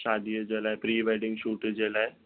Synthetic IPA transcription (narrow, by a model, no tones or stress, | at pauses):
ʃaːd̪ʱijəd͡ʒelaːepɾiːʋaɪɖɪ̃ŋɡʃuːʈd͡ʒeːlae